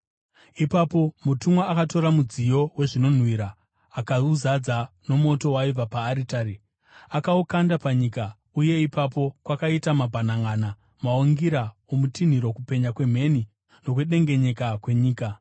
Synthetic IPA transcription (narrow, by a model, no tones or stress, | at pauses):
ipapo̞mutumwaːkato̞ɾamud͡zijo̞we̞ʐino̞n̤wiɾaː | kauzad͡za | no̞mo̞to̞waivapaːɾitaːri | akaukandapaɲika | uje̞ipapo̞kwakaitamabʱanaŋana | maoŋɡiɾaomutin̤iɾo̞kupe̞ɲakwe̞m̤e̞ni | no̞k̬weɗe̞ŋɡe̞ɲe̞kakwe̞ɲiːka